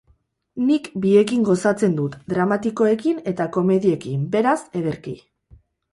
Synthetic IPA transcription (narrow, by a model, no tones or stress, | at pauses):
nikbie̞kiŋɡo̞sat͡se̞nd̪ut̪d̪ɾamat̪iko̞e̞kine̞t̪ako̞me̞ðie̞kimbe̞ɾase̞ðeɾki